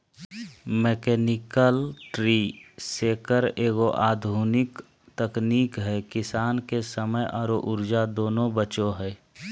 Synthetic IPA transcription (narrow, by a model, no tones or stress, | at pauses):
meːkɛːnɪkəlʈɾiːseːkəɾeːɡoʔaːd̪ʱuːnɪk | t̪əkniːkɦɛːkɪsaːnkesəməjʔɔːɾoʔʊɾd͡ʒad̪oːnõbət͡ʃoɦɛː